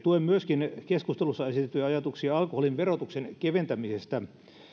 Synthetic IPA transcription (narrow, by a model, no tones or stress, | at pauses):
t̪uemmyøskinkeskust̪elusːɑesit̪et̪ːˑyjɑjɑt̪uksiɑɑlkoholiʋʋerot̪uksenkeʋent̪æmisest̪æ